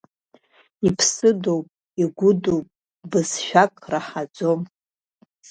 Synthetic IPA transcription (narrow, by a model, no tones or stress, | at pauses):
ipʰsɨdowpʼ | iɡʷʊdowpʼ | bɨzʃᶣakʼraħad͡zo̞m